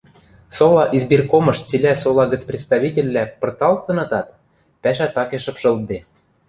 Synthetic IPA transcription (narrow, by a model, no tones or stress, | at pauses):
solɑʔizbirkomɤ̆ʃt͡silʲæsolˠɑɣə̆t͡sprʲɪt̪st̪ɑβʲitʲelʲːæpɤ̆rt̪ɑlt̪ɤ̆nɤ̆t̪ɑt̪ | pæʃæt̪ɑkeʃɤ̆pʃɤ̆l̚d̪e